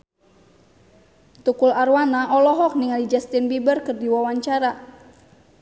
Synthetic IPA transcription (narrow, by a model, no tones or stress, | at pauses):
t̪ukularwanaʔɔlɔɦɔk̚niŋalid͡ʒast̪inbibərkɨrdiwawaɲt͡ʃaɾa